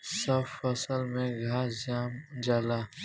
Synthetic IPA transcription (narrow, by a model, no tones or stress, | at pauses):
səbfəsəlmẽɡʱaːd͡ʒaːmd͡ʒaːlaː